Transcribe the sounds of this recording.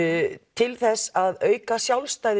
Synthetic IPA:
t̪ʰɪlθɛsːaðœːɥkasjawlst̪aːjð

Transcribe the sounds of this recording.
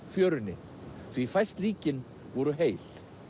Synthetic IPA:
fjœːɾʏnːɪ | θvifajst̪liːcɪn | vɔɾʏɦeːjl̥

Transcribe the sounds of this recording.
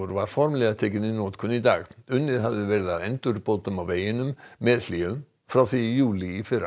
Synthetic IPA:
ɾvaɾ̥fɔɾmlɛɣaðt̪ʰɛːkɪnɪoːt̪kʰʏnːit̪aːɣʏnːɪðɦavðɪvɛɾɪðaðɛnt̪ʏɾpoːt̪ʏmawveːjɪnʏmːɛðliːʏm | fɾawθijuːlɪːfɪɾa̰

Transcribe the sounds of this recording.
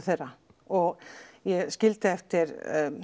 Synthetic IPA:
θejrːa | ɔɣjɛɣscɪlt̪ɪɛft̪ɪɾ

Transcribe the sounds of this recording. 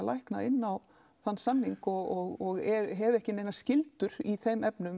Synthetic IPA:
lajhkna̰ɪnːaw | θanːsanːiŋkɔɣɔɣɔɣɛɦɛvɛhcɪneːjnascɪlt̪ʏɾiθejmɛpnʏm

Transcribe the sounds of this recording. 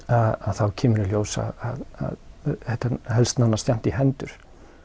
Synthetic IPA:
aðaðθawcʰɛːmʏɾɪljoːwsa̰ðaða̰ðhɛht̪ahɛlst̪nanːast̪jam̥t̪iɦɛnt̪ʏɾ̥

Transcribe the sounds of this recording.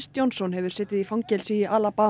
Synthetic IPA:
st̪jownsɔnhɛvʏɾ̥sɛːt̪ɪðifawŋcɛlsiːjɪʔaːlapa

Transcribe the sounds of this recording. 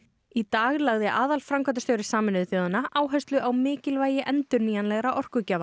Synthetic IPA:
it̪aːɣlaɣðɪʔaːðalfɾaŋkʰant̪ast̪œːwɾɪ̥saːmɪnʏθjoːwðanːaʔaːwɦœst̪lʏʔawmɪːcɪlvaːjɪʔɛnt̪ʏɾniːjanlɛɣɾaʔɔr̥kʏcaːva

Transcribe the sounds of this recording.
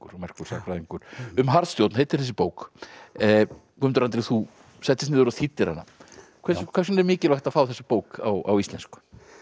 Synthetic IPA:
kɾmɛr̥kʏɾ̥sakɾaðiŋkʏɾ̥ʏmɦaɾst̪jowt̪nhejt̪ɪɾ̥θɛs̬ɪ̥poːwk | kʰmɛnt̪ɾant̪ɾɪθu | sɛht̪ɪst̪nɪːðʏɾaθʰit̪ːɪɾha̰nːa̰ | kʰɛskʰvɛɾs̬nɛɾmɪːcɪlajht̪afaːwθɛsːɪpoːwka̰wa̰wist̪lɛnskʏ̥

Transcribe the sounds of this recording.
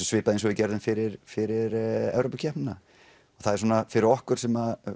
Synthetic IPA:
sɔsvɪːpaðens̬ɔvɪcɛɾðɪnfɪɾɪɾ̥fɪɾɪɾɛ̰vɾoːpacʰɛhpnɪnːa | ɔ̥θaðɛɾsɔːnafɪɾɪɾɔhkʏɾ̥sɛma

